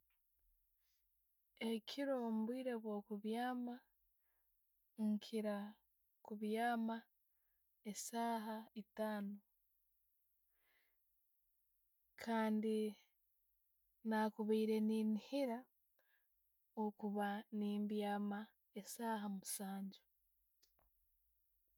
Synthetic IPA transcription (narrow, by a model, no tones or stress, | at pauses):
ekʰiɾo̞muβwiːɾe̞βwo̞ːkuβjaːma | ŋkʰiɾa | kuβjaːma | esaːɦaitaːno | kʰaːndi | naːkuβiːɾe̞niːnihiɾa | okuβaniːmbjaːma | esaːɦamusaːɲɟu